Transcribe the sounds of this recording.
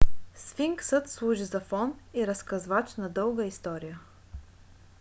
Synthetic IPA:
sfiŋksət̪slˠuʒizɐfɔniɾɐskɐzvat͡ʃnɐd̪ɤlˠɡəist̪ɔɾijə

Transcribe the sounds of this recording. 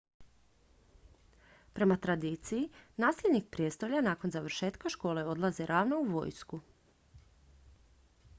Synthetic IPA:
pɾe̞mat̪ɾad̪iːt̪sijinaːsʎʲed̪nik̚pɾje̞st̪oʎanaːko̞nzaʋɾ̩ʃe̞ːt̪kaʃko̞ːle̞o̞d̪lˠazeɾʔaːʋnouʋo̞̰jsku

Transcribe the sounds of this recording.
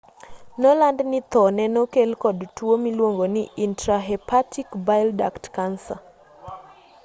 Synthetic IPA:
nɔlandnɪt̪ɔnɛnokelkɔdtwomilwoŋɡonɪintɾaɦɛpʰatʰikbaɪlda̰ktkansa̰

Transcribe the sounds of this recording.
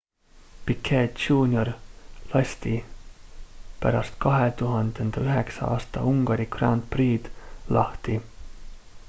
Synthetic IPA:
pikʰːeːt͡ʃuːnʲjo̞rlɑst̪i | pæ̰ɾɑst̪kɑɦet̪uɦɑnd̪̥e̞nd̪̥ɑyɦe̞ksɑ̰ɑ̰ːst̪ɑ̰uŋɡ̥ɑɾikrɑ̰nt̪̚priːd̪̥lɑht̪i

